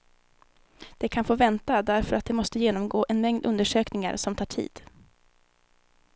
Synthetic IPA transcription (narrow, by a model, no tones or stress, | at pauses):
d̪̥ɛkʰanfoːvɛnt̪ad̪æɾfœɾat̪̚d̪ɛmɔst̪əjeːnɔmɡoːʔɛnmɛŋd̪ɵnd̪əʂøːknɪŋa̰ɾʂɔmt̪ʰɑːʈʰḭːd̪̥